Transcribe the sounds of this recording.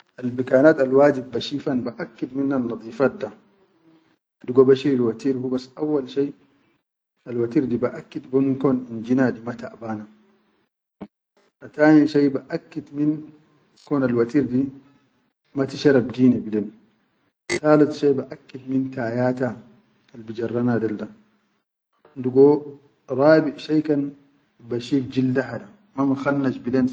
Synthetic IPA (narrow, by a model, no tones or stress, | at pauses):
ʔalbikaːnaːt̪alwaːd͡ʒibːaʃiːfanbaʔakːid̪minːanːɑd̪ˤiːfat̪̚da | aduɡɔbaʃiɾilwat̪iːɾhubasʔawːalʃaj | alwat̪iːɾdibaʔakːid̪bɔnkɔːnind͡ʒinadimat̪aʔbaːna | ʔat̪aːniʃajbaʔakːid̪min | koːnalwat̪iːɾdi | mat̪iʃaɾˤabdiːnibileːn | t̪aːlat̪ʃebaʔakːidmint̪aːjaːt̪a | albid͡ʒɐrˤːɑnadalda | nduɡo | ɾˤɑːbiʔʃajkan | baʃiːk̚d͡ʒildaħada | mamaxanːaʃbileːn